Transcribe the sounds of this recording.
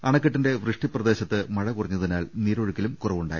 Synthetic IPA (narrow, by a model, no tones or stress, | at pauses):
ɐɳɐkːɐʈːinde̞ʋrɨʂʈiprɐd̪e̞ːɕɐt̪ːɨmɐɻɐkurɐɲːɐðinaːlniːɾoɻukːilumkurɐʋuɳɖaːjḭ